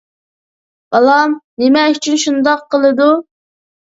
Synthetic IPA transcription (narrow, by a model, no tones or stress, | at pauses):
b̥ɑlˠɑmnemɛyt͡ʃʰynʃund̪ɑqːəlˠɨd̪u